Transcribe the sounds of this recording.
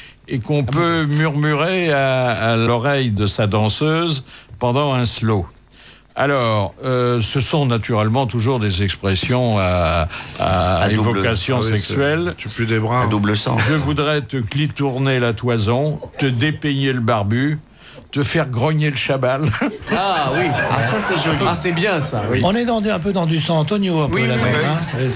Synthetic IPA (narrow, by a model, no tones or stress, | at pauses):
ekɔ̃pømyʁmyʁeaːlɔʁɛjd̪əsad̪ɑ̃søzpɑ̃d̪ɑ̃ɛ̃slo | a̰lɔːʁøsəsɔ̃nat̪yʁɛlmɑ̃t̪uʒuʁd̪ezɛkspχɛsjɔ̃a | a̰evɔkasjɔ̃sɛksɥɛlt̪ypød̪ebʁad̪ubləsɑ̰̃ʒəvud̪ʁɛt̪əklit̪uʁnelat̪wazɔ̃t̪əd̪epeɲeləbaʁby | t̪əfɛʁɡʁɔɲeləʃabalawia̰sasɛʒɔasɛbjɛ̃sawiɔ̃nɛd̪ɑ̃d̪yɛ̃p̬ød̪ɑ̃d̪ysɑ̃t̪ɔnjoɛ̃pwølamɛɛ̃